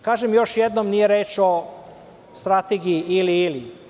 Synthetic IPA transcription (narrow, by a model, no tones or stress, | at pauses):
kaːʒemjo̞ʃjed̪nomnije̞ɾe̞ːt͡ʃo̞ | st̪ɾat̪eɡijiiliːlḭ